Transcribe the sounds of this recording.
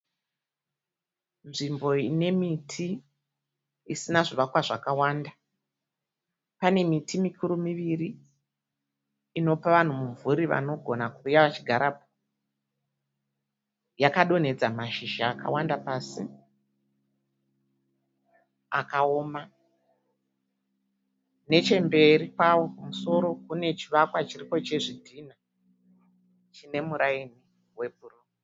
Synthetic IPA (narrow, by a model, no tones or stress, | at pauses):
nʐimbo̞ine̞mitʰi | sinaʐiʋakwaʐakawaːnda | pane̞mitʰimikʰuɾumiʋiri | no̞paʋan̤umuɱvuɾiʋa̰no̞ɡʱo̞nakurujaʋat͡ʃiɡʱaɾap̚o | jakaɗo̞ne̞d͡zamaʃiʒaːka̰wandapaːsi | a̰kao̞ma | ne̞t͡ʃe̞mbe̞ɾikwawo̞pamuso̞ɾo̞kune̞t͡ʃiʋakwat͡ʃiripo̞t͡ʃe̞ʐidʱina | t͡ʃine̞muɾaini | we̞p̚urumo